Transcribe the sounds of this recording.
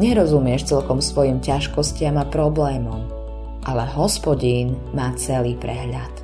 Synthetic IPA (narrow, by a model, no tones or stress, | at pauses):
ɲɛɾɔzumɪɛʃt͡sɛlkɔmsʋɔjimcaʃkɔscɪamapɾɔblɛːmɔm | ʔalɛɦɔspɔɟiːn | maːt͡sɛliːpɾɛ̰ɦʎat̪